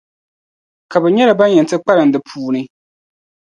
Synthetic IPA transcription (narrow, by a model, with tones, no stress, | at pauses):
ka˨bɛ˨ɲɛ˦la˨ba˦njɛ˨ntɨ˦k͡pa˦ɾɨ˨n˦dɨ˨pʰuː˦nɨ˦